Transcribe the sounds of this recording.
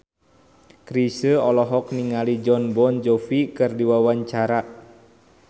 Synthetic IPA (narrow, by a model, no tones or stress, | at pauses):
kɾisəɔlɔɦɔk̚niŋalid͡ʒɔnbɔnd͡ʒofikɨrdiwawaɲt͡ʃaɾa